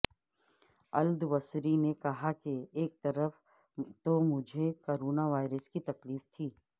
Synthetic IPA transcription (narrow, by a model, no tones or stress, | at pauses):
ɐld̪ʋɐsɾinekɐɦakeeːk̚t̪ɐɾəf | t̪omʊd͡ʒʱekoːɾoːnaʋaːɪɾəskit̪ɐkliːft̪ʰiː